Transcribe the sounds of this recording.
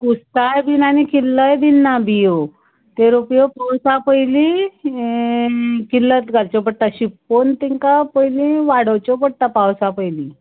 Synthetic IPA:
kust̪ajbinanikilːəjd̪inːabijo | t̪eɾopjopawsapəjli | kilːət̪ɡʱalt͡ɕɔpəɽt̪aɕipːont̪iŋkapəjlĩʋaɽəwt͡ɕɔpəɽt̪apawsapəjli

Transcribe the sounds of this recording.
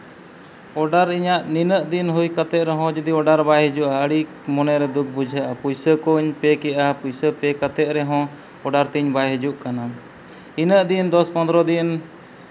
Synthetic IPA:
ɔɖaɾiɲaʔninəʔd̪inɦujkət̪ɛt̪̚ɾɛɦɔ̃d͡ʒud̪iɔɖaɾbajɦɛd͡ʒuʔaəɽi | mɔnɛɾɛd̪uk̚ʰbud͡ʒʱəʔapujsəkuɲpɛkɛʔapujsəpɛkət̪ɛt̪̚ɾɛɦɔ̃ | ɔɖaɾt̪iɲbajɦɛd͡ʒuʔkana | inəʔd̪ind̪ɔspɔnd̪ɾɔd̪in

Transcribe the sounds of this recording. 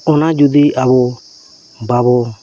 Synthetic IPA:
ɔnad͡ʒud̪iʔaβɔ | baβɔ

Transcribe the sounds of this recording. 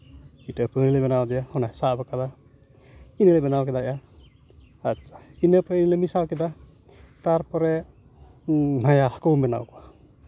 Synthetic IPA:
itapɯnilɛbɛnawd̪ijahɔnasabakad̪a | inilɛbɛnawkɛd̪aja | atsʰḁinəpɔɾinilɛmisawkɛd̪a | t̪aɾpɔɾɛ | najahkɔwmɛna̰wka

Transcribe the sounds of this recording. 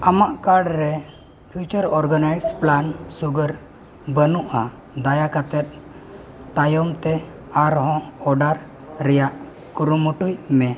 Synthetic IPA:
amaʔkaɾɖɾɛ | pʰjut͡ʃəɾɔɾɡənajsplansuɡəɾ | bənuʔa | d̪ajakat̪ɛt̪̚ | t̪ajɔmt̪ɛ | aɾɦɔ̃ɔɖaɾ | ɾɛjaʔ | kuɾumuʈujmɛ

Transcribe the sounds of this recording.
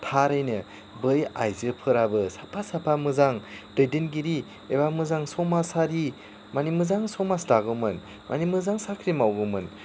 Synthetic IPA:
tʰaɾɯjnɯ | bɯja̰jzɯpʰɯɾabɯsapʰasapʰamɯzaŋd̥ɯjdɯnɡiɾi | ebamɯzaŋsɔmasaɾi | manimɯzaŋsɔmastaɡɯmɯn | mʔa̰nimɯzaŋsakʰɾimawɡɯmɯn

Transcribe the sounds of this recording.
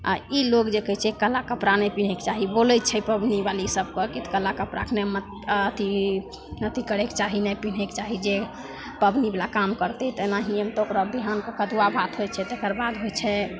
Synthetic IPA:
a̰ilokd͡ʒekəɦt͡ʃʰɛkəlakəpɾanɛpin̤ɛkt͡ʃaɦibolɛt̪t͡ʃʰɛpəbnibalisəb̚kɔkit̪ʰkəlakəpɾa̰kʰnɛmət̪ | t̪ʰi | nət̪ʰikəɽ̤ekt͡ʃaɦinɛpin̤ɛkt͡ʃaɦid͡ʒe | pəbnibelakamkəɾt̪ɛt̪ənaɦiəmt̪okɾɔd̪iɦankəkəd̪uabat̪ɦojt͡ʃʰɛt̪ekəɾbad̪ɦojt͡ʃʰɛ

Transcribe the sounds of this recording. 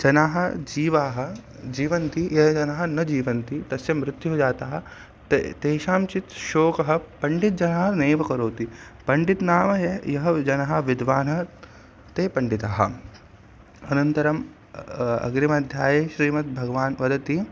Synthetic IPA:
d͡ʒɐnaːɦɐ̆d͡ʒiːʋaːɦɐ̆ | d͡ʒiːʋɐnt̪ijɐɦɐd͡ʒɐnɐɦɐ̆nɐd͡ʒiːʋɐnt̪it̪ɐsjɐmɾɪt̪juɦod͡ʒaːt̪aːɦɐ̆ | t̪eːʃaːmt͡ʃit̪ʃoːkɐɦɐ̆pɐɳɖit̪̚d͡ʒɐnɐɦɐneːʋɐkɐɾoːt̪ipɐɳɖit̪naːmɐjɐɦɐd͡ʒɐnɐɦɐ̆ʋid̪ʋaːnɐ | t̪eːpɐɳɖit̪aːɦɐ̰̆ | ɐnɐnt̪ɐɾɐm | ɐ̰ɡɾimɐd̪ʱjaːjeʃɾiːmɐt̪̚bʱɐɡɐʋaːnʋɐd̪ɐt̪i

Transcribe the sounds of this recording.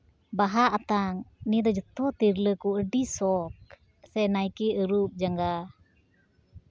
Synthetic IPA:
baɦaʔat̪aŋnid̪ɔd͡ʒət̪ɔt̪iɾləkuəɖisɔk̚ | sɛnajkiəɾup̚d͡ʒaŋɡa

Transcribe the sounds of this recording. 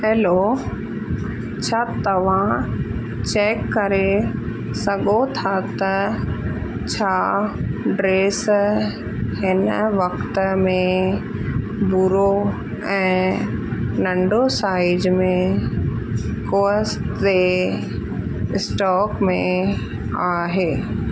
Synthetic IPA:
ɦeːloː | t͡ɕʰat̪ɐʋ̤ã | t͡ɕeːkːɐɾe | sɐɠot̪ʰat̪ɐ | t͡ɕʰaːɖɾeːs | ɦɪnʋɐkt̪mẽ | buɾo | ɛ̃ː | nɐ̃ɳɖosaːɪd͡ʒmẽ | koːsʈe | ɪsʈɔːkmẽ | aːɦeː

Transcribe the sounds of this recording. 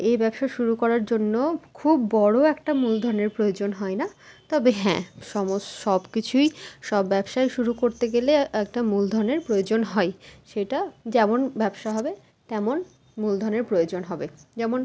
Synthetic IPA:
ebɛbʃaʃuɾukɔɾaɾd͡ʑonːokʰubːɔɽoɛkʈamuld̪ʱɔɾneɾpɾojod͡ʑonɦɔena | t̪ɔbeɦɛ̰̃ʃɔmosʃɔbkit͡ɕʰujʃɔbːɛbʃajʃuɾukoɾt̪eɡeleɛk̚ʈamuld̪ʱɔɾneɾpɾojod͡ʑonɦɔeʃeʈad͡ʑɛmonbɛbʃaɦɔbe | t̪ɛmon | muld̪ʱɔneɾpɾojod͡ʑonɦɔbed͡ʑɛmon

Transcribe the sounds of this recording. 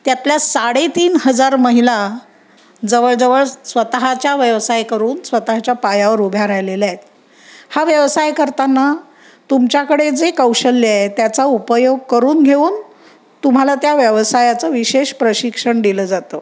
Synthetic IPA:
t̪jat̪ljasaɽet̪iːnhəd͡zaɾməɦila | d͡zəʋəɭd͡zəʋəɭsʋət̪aɦat͡ɕjaʋjəʋsajkəɾuːnsʋət̪aɦat͡ɕjapajaʋəɾubʱjaɾaɦjlelet̪̚ | haʋjəʋsajkəɾt̪anːa | t̪umt͡ɕjakəɽed͡zekəwɕəlːaet̪jat͡saupəjoɡ̚kəɾuːnɡʱeuːn | t̪um̤alat̪jaʋjəʋsajat͡səʋiɕeɕpɾəɕikʂəɳɖiləd͡zat̪ə

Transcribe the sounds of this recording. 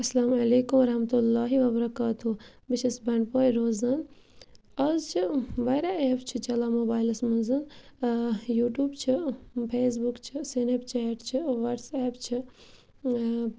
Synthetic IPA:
ɐsːɐlaːmɐleːkumɐɾɐhmɐt̪ulːaːɦiʋɐbɐɾɐkaːt̪u | biʃɐsbɐɳɖpoːjɾoːzɐn | ɐzt͡ʃʰiʋɐjɾaeːpt͡ʃʰit͡ʃɐlamoːbaːjlɐsmɐnzɐn | juːʈjuːbt͡ʃʰipʰeːs̬bukt͡ʃʰisenept͡ʃʰeːʈt͡ʃʰiʋɐʈseːpt͡ʃʰi

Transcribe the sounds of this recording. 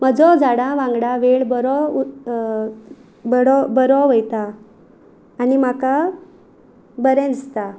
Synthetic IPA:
m̤əd͡zɔd͡zaɽãʋãŋɡɽaʋeɭbəɾɔ | bəɽɔbəɾɔʋəjt̪a | nim̤aka | bəɾɛ̃d͡zt̪a

